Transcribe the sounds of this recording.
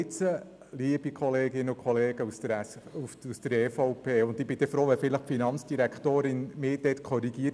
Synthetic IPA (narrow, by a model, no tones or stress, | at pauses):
ɪt͡sə | liəb̥ikʰχɔleːɡɪnəʊkʰχɔleːɡ̥əustəɾufusd̥əɾɛfɔpʰeːʊnd̪ɪb̥ɪdɛfɾoːʋɛfɪləχfinɑnt͡sd̥iɾækχt̪oːɾɪnmɪːd̥ɛtkʰɔɾiɡ̥iː